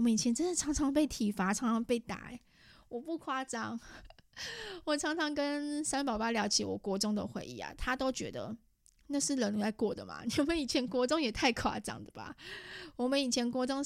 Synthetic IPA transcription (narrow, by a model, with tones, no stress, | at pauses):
mə˦ni˨˩t͡ɕʰjɛ˧˥nʈ͡ʂə˥nd̪ə˨ʈ͡ʂʰɑ˧˥ŋt͡sʰɑ˧˥ŋpe˥˩ɪt̪ʰi˨˩fa˥ʈ͡ʂʰɑ˧˥ŋʈ͡ʂʰɑ˧˥ŋpe˥˩ɪt̪a̰˨˩˦ | wɔ˨˩pu˥˧˩kʰwa˥˧ʈ͡ʂɑ˥ŋ | wɔ˨˩ʈ͡ʂʰɑ˧˥ŋt͡sʰɑ˧˥ŋkə˦nsa˥npɑ˨˩ʊpa˥ljɑ˧˥ʊt͡ɕʰḭ˨˥wɔ̰˨˩kwɔ˧˥ʈ͡ʂʊ˥ŋd̪ə̰˧xwḛ˧˥ɪʔḭ˥˩a̰˩t̪ʰa˥t̪o˥ʊt͡ɕɥɛ̰˧˥d̪ə̰˧ | na˥˧ʂɻ̩˥˩lə˧˦n˨a˥˧ɪkwɔ˥˩d̪ə˨ma̰˩ni˨˧˦mə˨˦ni˨˩t͡ɕʰjɛ˧˥nkwɔ˧˥ʈ͡ʂʊ˥ŋjɛ˨˩t̪ʰa˥˧ɪkʰwa̰˥˧ʈ͡ʂɑ̰˥˩ŋd̪ə˨ba̰˨˩wɔ˨˩mə˦ni˨˩t͡ɕʰjɛ˧˦nkwɔ˧˥ʈ͡ʂʊ˥ŋ